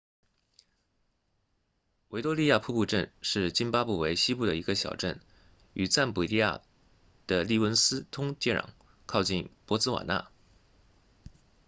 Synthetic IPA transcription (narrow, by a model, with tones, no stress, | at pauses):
we˧˥ɪt̪wɔ˥li˥˧ja˥˧pʰu˥˧pu˥˧ʈ͡ʂə˥˧nʂɻ̩˥˩t͡ɕi˥npa˥pu˥˩we˧˥ɪɕi˥pu˥˩d̪ə˩i˧˥ɡə˧ɕjɑ̰˨˩ʊʈ͡ʂə˥˩n | y˨˩t͡sa˥˩npu˨˩li˥˧ja̰˥˩ | d̪̥ə˨li˥˩wə˥nsɹ̩˥t̪ʰʊ˥ŋt͡ɕjɛ˥˩ɻɑ̰˨˩˦ŋ | kʰɑ˥˧ʊt͡ɕi˥˩npwɔ˧˥t͡sɹ̩˥wa̰˨˩na̰˥˩